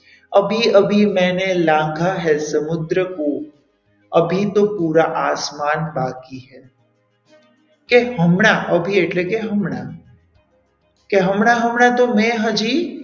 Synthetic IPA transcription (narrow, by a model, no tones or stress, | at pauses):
əbʱiəbʱimɛ̃ːnelãːŋɡʱaɦɛsəmʊd̪ɾəko | əbʱit̪opuːɾaʔaːsmaːnbaːkiɦɛ | keɦəmɳaʔəbʱieʈlekeɦəmɳa | keɦəmɳaɦəmɳat̪omɛ̃ɦəd͡ʒiː